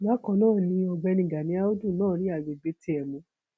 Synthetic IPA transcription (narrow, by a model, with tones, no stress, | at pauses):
ma˦kɔ̃˧˦nãː˦˨nĩ˧˦ɔ˧ɡ͡bɛ˧nĩ˨ɡa˨nĩ˨˦a˦o˦du˦˨nãː˦˨ɾi˨˦a˦˨ɡ͡be˨ɡ͡be˨˦ti˦ɛ˨mũ˧˦